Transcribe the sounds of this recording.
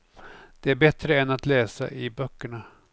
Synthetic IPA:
d̪̥ɛæɾbɛt̪ɾəɛnat̪lɛːsa̰ʔɪbœkːəɳa

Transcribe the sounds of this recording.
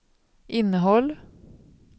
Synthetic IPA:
ʔɪnəɦɔl

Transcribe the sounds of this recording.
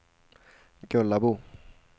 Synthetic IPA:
kɔlabo

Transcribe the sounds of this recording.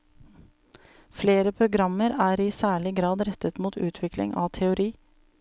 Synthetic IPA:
fleːɾəpʰɾʊɡɾɑməɾæːɾiːsæːɭɪɡɾɑːd̪ɾɛt̪ət̪muːt̪ʉːt̪ʰʋɪklɪ̰ŋʔɑ̰ːt̪ʰɛʊɾiː

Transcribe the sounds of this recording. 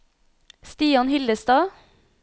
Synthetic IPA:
st̪iːɑnhɪləst̪ɑː

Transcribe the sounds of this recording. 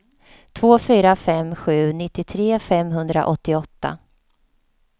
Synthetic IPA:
t̪ʰvoːfyːɾafɛmːɧʉ̟ːnɪt̪ːɪt̪ʰɾeːfɛmːɦɵnd̪ɾa̰ʔɔt̪ːɪɔt̪ːa̰

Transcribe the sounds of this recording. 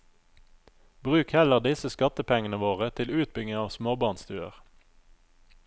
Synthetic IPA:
bʁʉːkhɛləʁd̪ɪsəskɑt̪əpʰɛŋənəʋoːʁət̪ʰɪlʉːt̪̚bʏŋəɑːʋsmoːbɑʁnst̪ʉːə̰ʁ

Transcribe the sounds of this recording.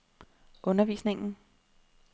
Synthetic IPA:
ʔɔ̽nɐʋḭːsne̝ŋn̩

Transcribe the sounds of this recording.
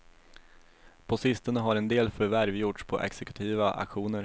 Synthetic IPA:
pʰɔsɪst̪ənəɦaɾɛnd̪eːlfœɾvæɾvjʊʈʂpʰɔ̰ʔɛ̰ksɛkɵ̥t̪ʰiːvaʔa̰kɧuːnəɾ

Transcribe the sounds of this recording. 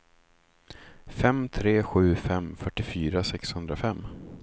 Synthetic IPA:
fɛmt̪ʰɾeːɧʉ̟ːfɛmfœʈːɪfyːɾasɛkshɵnd̪ɾafɛmː

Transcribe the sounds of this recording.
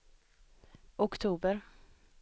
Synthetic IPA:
ʊkt̪ʰuːbəɾ

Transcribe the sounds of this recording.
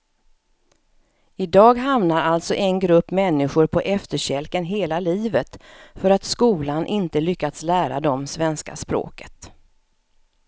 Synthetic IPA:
ɪd̪ɑːɡɦamnaɾalt̪sɔʔɛnɡɾɵpːmɛnːɪɧʊɾpʰɔʔɛft̪əɕɛlkənɦeːlaliːvət̪fœɾat̪skuːlanʔɪnt̪əlʏkːat̪slæːɾa̰d̪ɔmsvɛnska̰spɾo̰ːkʰə̥t̪

